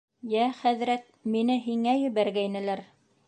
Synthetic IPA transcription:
jæχæðɾæt̪̚minɘɦiŋæjɵ̆βæɾɡæjnɘ̆læɾ

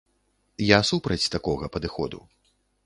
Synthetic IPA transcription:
jasupɾɐt͡sʲt̪akɔɣɐpɐd̪ɨxɔ̰d̪ṵ

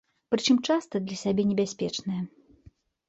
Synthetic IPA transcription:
pɾɨt͡ʂɨmt͡ʂast̪ɐd̪lʲɐsʲabʲɛnʲɪbʲasʲpʲɛt͡ʂnɐjɐ

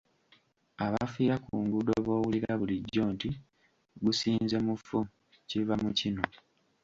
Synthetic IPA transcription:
aβafiːɾakuːŋɡudoβo̞ːwuliɾaβuliɟːo̞ːnti | ɡusiːnze̞mufu | civamucino

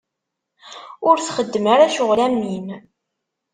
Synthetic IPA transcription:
ʊɾθχəd̪ːəmaɾaʃʊʁlæmːim

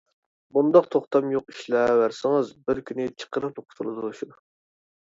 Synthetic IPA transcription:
bund̪ɑqt̪ʰoχt̪ʰɑmjoqiʃlɛwæɾsɪŋɨzbɪɾkʲʰynɪt͡ʃʰə̥qʰəɾɨt̪ʰoqʰʊ̥t̪ʰulˠɨd̪uʃud̪u

